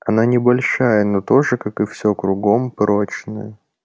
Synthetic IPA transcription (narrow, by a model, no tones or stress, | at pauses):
ɐnanʲɪbɐlʲʂajəno̞t̪o̞ʐɨkakɨfsʲokɾʊɡo̞mpɾot͡ɕnə̰jə